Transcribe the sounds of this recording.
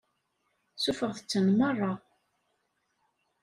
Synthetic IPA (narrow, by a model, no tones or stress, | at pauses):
sufəʁθə̥t͡sːənmərˤːɑ